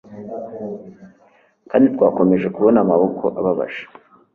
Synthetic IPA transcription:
kaːndit̪waːko̞me̞ʒe̞kuβo̞namaβo̞kʰo̞ʔa̰βaβa̰ʒ̥e̥

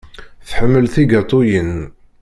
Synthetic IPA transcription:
θəħəmːəlθiɡɑt̪ˤːojən

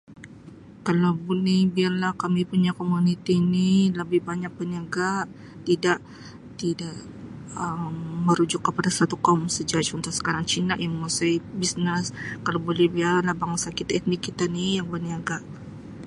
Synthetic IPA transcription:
kalabunihbiarlahkamipuɲakomunit̪iːniləbɪhbaɲak̚bəniaɡa | t̪idaʔ | t̪idaʔ | əmːəɾud͡ʒʊkːəpadasat̪ukamsəd͡ʒaat͡ʃɔnt̪asə̥kaɾaŋt͡ʃinaʔjaŋməmasaibisnəskalabolɛhbiarlahbaŋsakit̪aɛt̪̚nikːit̪anijaŋbəniaɡa

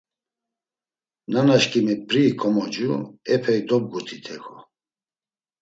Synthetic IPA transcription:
nanaʃkʼimɛpɾikʰɔmɔd͡ʒuɛpʰɛid̪ɔb̚ɡut̪ʰit̪ʰɛkʰɔ

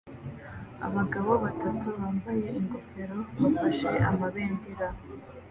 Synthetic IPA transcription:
a̰βaɡaβoβatʰatʰuβaːmbaje̞ʔiŋɡopeɾoβafaʃe̞ʔa̰maβeːndiɾa

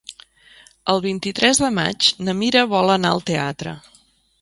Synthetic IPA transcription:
əlˠβ̞int̪it̪ɾɛzðəma̰d͡ʒnəmiɾəβɔlˠənaəlˠt̪eat̪ɾə̰

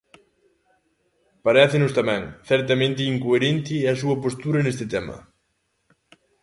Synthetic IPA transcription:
paɾɛθɪnʊst̪amɛ̃ŋθɛɾt̪ɐmẽnt̪ɪiŋkoeɾent̪ɪɐs̬uɐpost̪uɾɐnest̪ɪt̪ɛmɐ̰

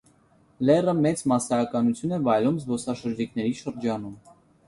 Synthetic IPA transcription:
lɛrəmɛt͡smɑsɑːkɑnut͡sʰjunɛvɑjlumzbɔsɑʃəɾd͡ʒikʰnɛɾiʃəɾd͡ʒɑnum

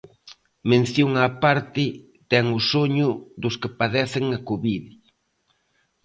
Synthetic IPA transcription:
mẽn̟θjoŋapaɾt̪ɪ | t̪ɛŋʊsoɲʊðʊskɪpaðɛθɪŋɐkoβiðɪ

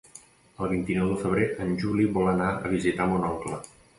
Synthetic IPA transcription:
əlˠβint̪inɔwðəfəβ̞ɾeʔənʲʒuliβɔlənaə̰β̞izit̪amunɔŋklə

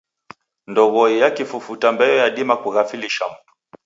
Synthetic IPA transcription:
ndɔɣɔijakifufutambɛjɔjaɗimakuɣafiliʃam̩tu̥

